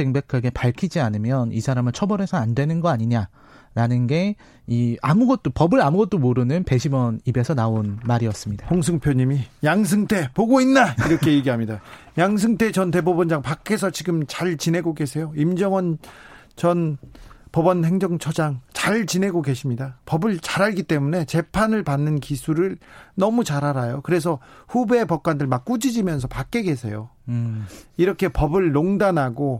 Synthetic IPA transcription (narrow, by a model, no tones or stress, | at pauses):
eŋbe̞kʰaɡe̞paɭkʰid͡ʑianɯmjʌnisʰaɾamɯɭt͡ɕʰʌbʌɾe̞sʰʌandwe̞nɯnɡʌaɲiɲa | ɾanɯnɡe̞ | iamuɡʌt̚t͈opʌbɯɾamuɡʌt̚t͈omoɾɯnɯnpe̞ɕʰimʌnibe̞sʰʌnaonmaɾiʌs͈ɯmɲid̥ahoŋs̬ʰɯŋpʰjoɲimijaŋs̬ʰɯŋtʰe̞poɡoinːaiɾʌkʰe̞eɡiɦamɲida | jaŋs̬ʰɯŋtʰet͡ɕʌntebobʌnd͡ʑaŋpakʰːe̞s̬ʰʌt͡ɕiɡɯmt͡ɕaɭt͡ɕine̞ɡoɡe̞s̬ʰe̞joimd͡ʑʌŋʌn | t͡ɕʌnpʌbʌnhe̞ŋd͡ʑʌŋt͡ɕʰʌd͡ʑaŋt͡ɕaɭt͡ɕine̞ɡoɡe̞ɕʰimɲidapʌbɯɭt͡ɕaɾaɭɡit͈e̞mune̞t͡ɕe̞pʰanɯɭpanːɯnkisʰuɾɯɭnʌmut͡ɕaɾɦaɾajokɯɾe̞s̬ʰʌɸube̞pʌk̚k͈andɯɭmak͈̚ud͡ʑid͡ʑimjʌnsʰʌpak͈e̞ɡe̞sʰe̞̰jo̰ | iɾʌkʰe̞pʌbɯɭːoŋdanɦaɡo